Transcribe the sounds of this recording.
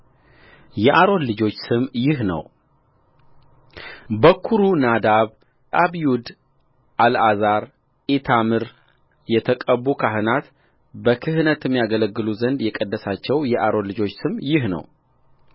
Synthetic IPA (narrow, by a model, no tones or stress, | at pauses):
jɛʔaɾo̞nlɨd͡ʒo̞t͡ʃːsɨmjɪɦnə̰w | bəkʰːuɾunad̪aβ | ʔaβiud̪ | ʔalazaɾ | ʔit̪ʰamɨɾ | jɛt̪ʰəkʼəbukʰaɦɨnat̪ | bəkʰɨhɨnət̪ɪmːijaɡələɡːɨluzənd̪jɛkʼəd̪ːəsat͡ʃːɛwjɛʔaɾo̞nlɨd͡ʒo̞t͡ʃːsɨmjɪɦnə̰w